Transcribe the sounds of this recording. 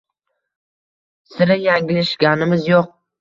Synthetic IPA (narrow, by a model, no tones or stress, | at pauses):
sɪɾɪjaŋɡʲɪlɪʃɡʲanɪmɪzjoq̚